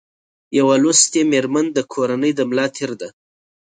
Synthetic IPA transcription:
jawalust̪emeɾmand̪əkʰoɾanəjd̪əmlɑt̪ʰɪɾd̪a

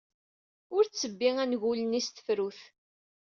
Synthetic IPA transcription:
ʊɾt͡sːəbːiŋænʝulənist̪ə̥fɾuθ

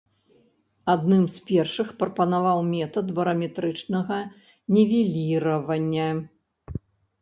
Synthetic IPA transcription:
ad̪nɨmspʲɛrʂɨxpɾɐpɐnavawmʲɛt̪ɐd̪bɐɾɐmʲɛt̪ɾɨt͡ʂnɐɣɐ | nʲɛvʲelʲiɾɐvɐnʲːɐ

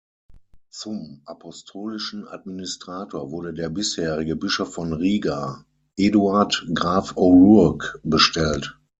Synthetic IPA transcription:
t͡sʊmʔapʰɔstʰoːlɪʃn̩ʔa̰d̚minɪstʁ̥aːtʰoːɐvʊɐɾədeːɐbɪsheːʁɪɡəbɪʃofːɔnʁiːɡa | ʔeduaɐtɡʁaːfoʁʊɐkb̥əʃtɛlt

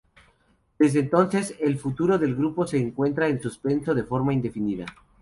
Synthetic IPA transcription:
d̪̥e̞zðeːnt̪o̞nse̞se̞lfut̪uɾo̞ðe̞lɣɾupo̞se̞ːŋkwe̞nt̪ɾaensuspe̞nso̞ð̞e̞fo̞ɾmaind̪e̞finiða̰

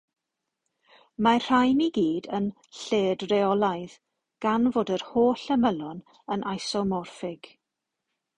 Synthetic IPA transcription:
mar̥ajniɡiːdən | ɬeːdrɛɔlˠajð | ɡ̥anvoːdərhoːɬəməlɔn | ənʔajsɔmɔrfɪɡ̥

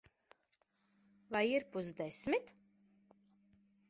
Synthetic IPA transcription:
vajiɾpusd̪esmit̪

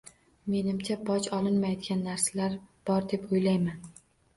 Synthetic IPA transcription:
me̞nɪmt͡ʃʰabɒt͡ʃɒlˠɪnmajɒd̪ɡʲanːaɾsalaɾb̥ɒɾd̪e̞pʰojlajman

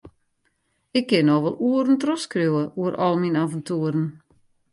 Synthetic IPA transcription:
ɪkːɪnɔxʋɔlˠuəɾən̩trɔskrjuwəʔuəɾʔɔ̰lˠminavəntuəɾən

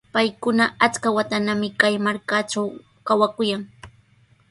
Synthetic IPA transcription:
pajkʊnaat͡skawat̪anamɪkajmaɾkaʈ͡ʂaw | kawakʊjaŋ

